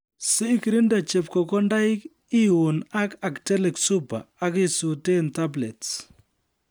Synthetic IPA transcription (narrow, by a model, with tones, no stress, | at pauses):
sɪː˦ki˨ɾi˦nda˨t͡ʃɛ˨p̚kɔ˨kɔ˦nda˦i˦k | i˦wu˨na˦ka˨ktɛ˦lɛ˨ksu˦pa̰ː˨˦k̬i˦su˨te˦˨nta˦blɛ˨ts